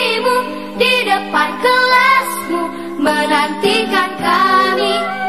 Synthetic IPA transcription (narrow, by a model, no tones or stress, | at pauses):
imu | didəpankəlasku | mənant̪ikankami